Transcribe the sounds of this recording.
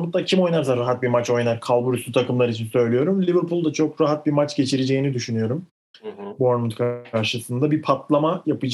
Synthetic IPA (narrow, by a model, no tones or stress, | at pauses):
munt̪̚d̪acʰimo̞jnaɾsaɾːaɦat̪̚biɾmat͡ʃo̞jnaɾkʰalˠbuɾysyt̪ʰakɯmlˠaɾit͡ʃʰinsø̞jlijo̞ɾumlʲivɯɾpulˠd̪at͡ʃʰo̞kɾaɦat̪̚biɾmat͡ʃɟe̞t͡ʃʰiɾed͡ʒe̞jinid̪yʃynyjo̞ɾum | boɾnmunt̪kʰaaɾʃɯsɯnd̪abiɾpʰat̪lˠamajapɯd͡ʒ